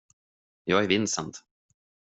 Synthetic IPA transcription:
jɑːɡæɾvɪnsənt̪

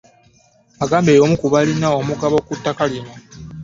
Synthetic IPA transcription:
aɡaːmbe̞ːjo̞mukuβalinaomuɡaβo̞kutːakalino

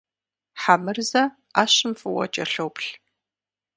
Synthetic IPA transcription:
ħamɨrzɐ | aːɕɪmfɨwɐ̰t͡ʃʼɐɬowpɬ

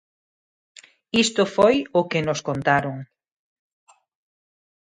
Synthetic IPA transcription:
ist̪ʊfojʊkɪnoskont̪aɾoŋ

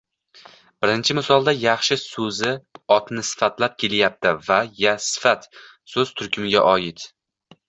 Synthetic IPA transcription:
b̥ɪɾɪnt͡ʃʰɪmɪsɒlˠd̪ajɑχʃɪsɵzɪɒt̪nɪsɪ̥fat̪lap̚kʲʰe̞ljap̚t̪ʰɪvajasɪ̥fat̪ | sɵzt̪ʰʊɾkʲʰʊmɪɡʲa̰ʔɒjɪt̪

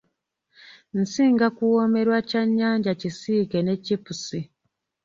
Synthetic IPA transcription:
n̩siːŋɡakuwo̞me̞ɾwacaɲːaːɲɟacisiːkene̞cipusi

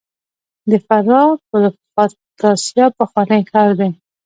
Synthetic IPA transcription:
d̪əfaɾɑpəl | ɑ | t̪ɑsjɑpəxwɑnəjkɑɾd̪e

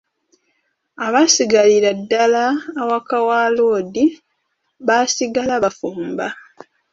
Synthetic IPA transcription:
aβasiɡaliɾadːalaːwakawaːloːdi | βasiɡalaβafuːmba

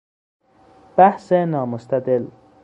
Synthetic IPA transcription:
b̥ahsenɑːmʊst̪ad̪ɪl

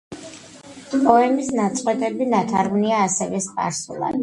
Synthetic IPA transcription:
pʼɔɛmisnat̪sʼqʼwɛt̪ʼɛbinat̪ʰaɾʁniaːsɛvɛspʼa̰ɾsṵlˠa̰d̪

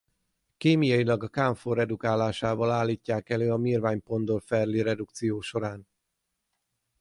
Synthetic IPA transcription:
keːmijɒjilɒɡɒkaːɱfoɾɛd̪ukaːlaːʃaːvɒlaːlːiːcːaːkɛløːɒmiːrvaːɲpo̞nd̪olfɛrliɾɛd̪ukt̪sijoːʃo̞ɾaːn

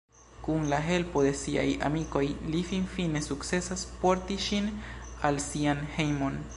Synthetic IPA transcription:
kunlaɦe̞lpo̞d̪e̞sia̰ja̰miko̞jlifinfine̞sukt͡se̞saspo̞ɾtiʃinalsianhe̞jmo̞n

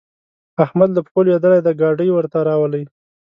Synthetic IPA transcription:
ahmad̪ləpxoljad̪əlajd̪aɡɑɖəjwəɾt̪aɾɑwələj

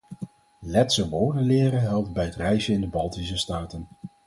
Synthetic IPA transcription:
lɛtsəʋoːɹdəlɪːɾəɦɛlˠt̚bɛjətrɛjzəɪndəbɑlˠtis̬əstaːtən

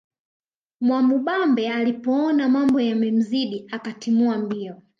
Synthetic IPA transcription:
mwamuɓambɛalipɔɔnamambɔjamɛm̩ziɗiakatimuambiɔ

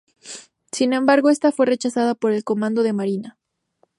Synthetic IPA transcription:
sinẽ̞mbaɾɣo̞e̞st̪afwe̞re̞t͡ʃasaðapo̞ɾe̞lko̞mãnd̪o̞ðe̞maɾina

